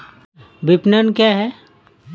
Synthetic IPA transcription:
bɪpnənkjaɦɛ

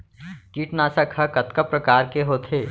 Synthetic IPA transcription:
kiːʈnaːsɐkʰhɐkɐt̪kəpɾɐkaːɾkeɦoːt̪ʰeː

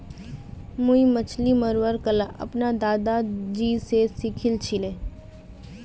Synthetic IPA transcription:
muimət͡ʃʰliməɾʋəɾkəlaʔɐ̰pnad̪aːd̪ad͡ʒiːsesikʰɪlt͡ʃʰileː

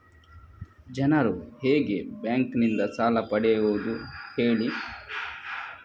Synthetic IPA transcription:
d͡ʒɐnɐɾuheːɡe̞bjaːŋknind̪ɐsaːlɐpɐɽɛʋuːd̪uheːɭi

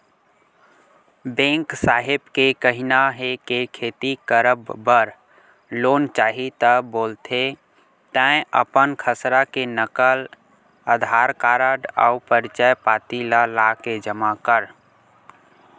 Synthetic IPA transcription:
bẽːŋksaːɦɪbkekəɦɪnaɦekekʰeːt̪ikəɾəbːəɾ | loːnt͡ʃaːɦit̪əboːlt̪ʰe | t̪ə̃əpənkʰəsɾakenəkəl | əd̪ʱaːɾkaːɾaɖaʊpəɾt͡ʃəjpaːt̪ilalaːked͡ʒəmakəɾ

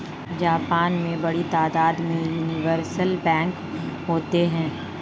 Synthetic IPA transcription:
d͡ʒaːpaːnmẽbɐɽit̪aːd̪aːd̪mẽjuːnɪʋəɾsəlbɛ̃ːŋk | ɦoːt̪eɦɛ̃ː

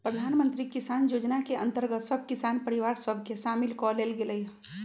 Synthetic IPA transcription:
pɾəd̪ʱanmənt̪ɾikisanjod͡ʒnakeənt̪əɾɡət̪səb̚ʱkisanpəɾiʋaɾsəbʱkesamilkɔlelɡeləj

